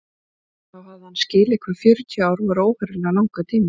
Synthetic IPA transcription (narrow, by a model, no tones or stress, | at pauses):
θawhavðɪhanːscɪːlɛkʰvaɾfjœɾʏt̪ʰiaːwɾɔvaɾoːwhɛɾɪlanawŋkat̪ʰiːmɪ